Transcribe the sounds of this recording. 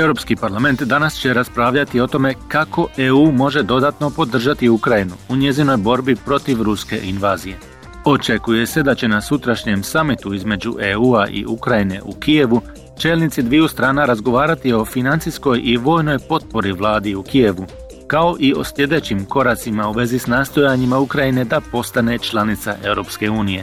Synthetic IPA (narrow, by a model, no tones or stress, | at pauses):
e̞wɾo̞pskipaɾlˠame̞nt̪d̪anast͡ɕe̞ɾaspɾaːʋʎat̪io̞t̪o̞me̞kako̞ʔe̞uːmo̞ʒe̞d̪o̞d̪aːt̪no̞po̞d̪r̩ʒat̪iukɾajinuuɲe̞zino̞jbo̞ɾbipɾo̞t̪iʋɾuske̞̰ʔinʋaːzije̞ | o̞t͡ʃe̞kuje̞se̞d̪at͡ɕe̞nasut̪ɾaʃɲe̞msamit̪uizme̞d͡ʑuʔeuːaʔḭukɾajine̞̰ʔukije̞ʋu | t͡ʃe̞ːlˠnit̪sid̪ʋijust̪ɾaːnaɾazɡo̞ʋaːɾat̪io̞finant̪sisko̞jʔiʋo̞ːjno̞jpo̞t̪̚po̞ɾiʋlˠaːd̪iukije̞ʋu | kao̞ʔio̞̰sʎʲje̞d̪e̞t͡ɕimko̞ɾat̪simauʋe̞zisnaːst̪o̞jaɲimaukɾajine̞d̪apo̞st̪ane̞t͡ʃlˠanit̪sa̰ʔe̞ʋɾo̞pske̞uːnije̞